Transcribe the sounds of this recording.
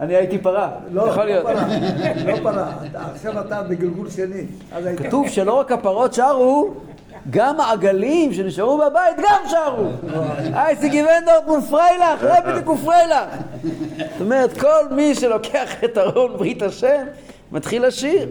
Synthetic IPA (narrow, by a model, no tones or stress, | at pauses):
aniajit̪ipaʁa | ljaχolijot | lopaʁataːχʃavat̪abeɡilɡulʃeni | azaikat̪uvʃe̞lo̞ʁakapaʁo̞t̪ʃaʁu | ɡamaːɡalimʃe̞niʃaʁubabait̪ɡamʃaʁuʔajsiɡivend̪oʁt̪mufʁejlaχlabid̪ikufʁejlaχ | set̪omeʁet̪ko̞lmiʃe̞lo̞keaχt̪aʁonbʁit̪aʃen | mʔat̪χilaʃiʁ